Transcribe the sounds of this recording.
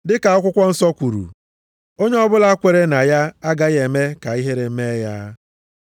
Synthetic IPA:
dɪ˦ka˨ɔ˦kʷʊ˦kʷɔ˦n̩˦sɔ˦kʷu˨ɾṵ˨ | o˦ɲe˦ɔ˦bʊ˦la˦kʷe˨ɾe˦na˨ja˦a˦ɡa˦ɣe˨me˦ka˨i˦ɦe˦ɾe˨m̩˦me˦ja˦

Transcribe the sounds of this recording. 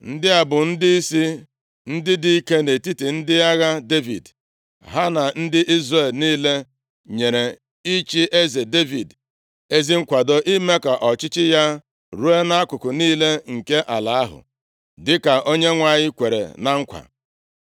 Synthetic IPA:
n̩˦dɪ˦a˨bʊ˨n̩˦dɪ˦i˦si˦ | n̩˦dɪ˦di˨˦i˦ke˦ne˨ti˦ti˨n̩˦dɪ˦a˦ɣa˦de˦vḭ˨d | ɦa˦na˨n̩˦dɪ˦ʔi˦zre˦˨lniː˦le˦ | ɲe˨ɾe˨ | i˦t͡ʃi˦ʔe˦ze˨de˦vi˨d | e˦zi˦ŋ̩˦kʷa˨do˨ʔi˦me˦ka˨ʔɔ˨t͡ʃɪ˦t͡ʃɪ˦ja˦ | ɾu˦e˦na˦a˦kʷʊ˨kʊ˨niː˦le˦ŋ̩˨ke˦ʔa˨la˨a˦ɦʊ̰˨ | dɪ˦ka˨ʔo˦ɲe˦ŋʷa˨ɲɪ˦kʷe˨ɾḛ˨na˨ŋ̩˦kʷa̰˨

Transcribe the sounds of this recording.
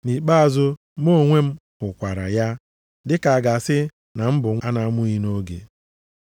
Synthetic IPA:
ni˨k͡pa˦a˨zʊ˦ | mo˦˨ŋʷe˦m̩˦hʊ˨kʷa˨ɾa̰˨ja˦ | dɪ˦ka˨a˨ɡa˨sɪ˦ | na˨m̩˦bʊ˨ŋa˦na˦mʊ˦i˦no˦ɡḛ˨

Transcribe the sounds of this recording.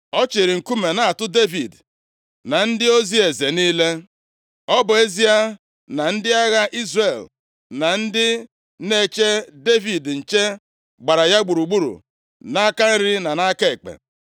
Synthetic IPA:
ɔ˦t͡ʃe˨ɾi˨ŋ̩˨ku˦me˨na˦a˨tʊ˦de˦vḭ˨d | na˨n̩˦dɪ˦o˦zi˦e˨ze˨niː˦le˦ | ɔ˦bʊ˨e˦zi˦a˦ | na˨n̩˦dɪ˦a˦ɣa˦ʔi˦zre˨l | na˨n̩˦dɪ˦ | ne˦t͡ʃe˦de˦vi˨dn̩˨t͡ʃe˦ | ɡ͡ba˨ɾa˨ja˦ɡ͡bu˨ɾu˨ɡ͡bu˦ɾṵ˨ | na˦ka˦n̩˦ɾɪ˦na˨na˦ke˨k͡pḛ˨

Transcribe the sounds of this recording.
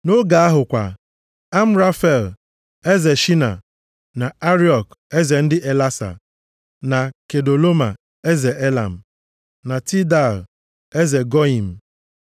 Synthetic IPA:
no˦ɡa˨˦a˦ɦʊ˨kʷa̰˨ | a˦m̩˦ɾa˦fɛ˨l | e˦ze˨ʃi˦na̰˨ | na˨a˦ɾi˦ɔ˨ke˦ze˨n̩˦dɪ˦ʔe˨la˦sa̰˨ | na˨ke˨do˨lo˦ma˨ | e˦ze˨ʔe˦la̰˨m̩˨ | na˨ti˦da˨l | e˦ze˨ɡɔ˦i˨m̩˨

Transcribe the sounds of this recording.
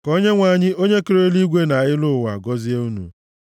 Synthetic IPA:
kɔ˦ɲe˦ŋʷa˨ɲɪ˦o˦ɲe˦ke˨˦ɾe˦li˦ɡʷe˦na˨ɣɪ˦lʊ˦˨wa̰˨ɡɔ˦zi˦a˦u˦nṵ˨

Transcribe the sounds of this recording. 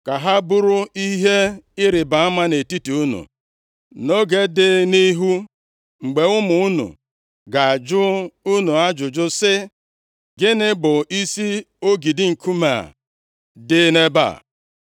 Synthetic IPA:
ka˨ɦa˦bʊ˦ɾʊ˦i˦ɦe˦ɪ˦ɾɪ˨ba˨a˦ma˦ne˨ti˦tu˨u˦nṵ˨ | no˦ɡe˦dɪ˦ni˦ɦu˦ | ŋ͡m̩˨ɡ͡be˨ʊ˦mʊ˨u˦nṵ˨ | ɡa˨a˨d͡ʒʊ˦u˦nu˨a˦d͡ʒʊ˨d͡ʒʊ˦sɪ˦ | ɡɪ˦nɪ˦bʊ˨i˦si˦ | o˦ɡi˨dɪ˦ŋ̩˨kʰu˦ma̰˨ | dɪ˦ne˦ba̰˦˨

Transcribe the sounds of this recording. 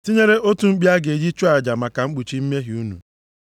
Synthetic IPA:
ti˦ɲe˦ɾe˦ʔo˦tu˨ŋ͡m̩˦k͡pi˦a˦ɡe˨d͡ʒi˦t͡ʃu˦a˨d͡ʒa˨ma˨ka˨ŋ͡m̩˦k͡pu˨t͡ʃi˦m̩˦me˦ɦi˨u˦nṵ˨

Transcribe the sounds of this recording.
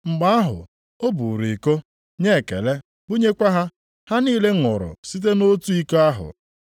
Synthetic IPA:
ŋ͡m̩˨ɡ͡ba˦a˦ɦʊ̰˨ | o˦bu˨ɾi˨ko˦ | ɲe˦˨kḛ˨le˦ | bʊ˦ɲe˦kʷa˦ɦa˦ | ha˦niː˦le˦ŋʊ˨ɾʊ̰˨si˦t̬e˦no˦tu˦i˦ka˦a˦ɦʊ̰˨

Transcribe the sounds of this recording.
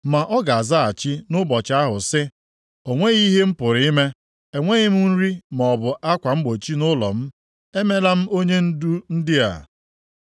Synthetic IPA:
ma˨ʔɔ˦ɡa˨a˨za˦a˨t͡ʃi˦nʊ˦bɔ˨t͡ʃa˦ɦʊ˨sɪ˦ | o˨ŋʷe˦i˦ɦe˦m̩˦pʊ˨ɾi˦me˦ | e˨ŋʷe˦ɣɪ˦m̩˦n̩˦ɾi˦m˨ɔ˨bʊ˨ʔa˦kʷa˨m̩˦ɡ͡bo˨t͡ʃi˦nʊ˦lɔ̰˨m̩˦ | e˦me˦la˦m̩˦o˦ɲe˦n̩˦du˦n̩˦dɪ˦a̰˨

